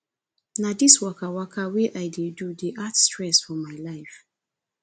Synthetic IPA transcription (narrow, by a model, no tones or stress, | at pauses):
nadiswakawakʰaweʔaɪdedudeʔatstɹɛsfɔmaɪlaɪf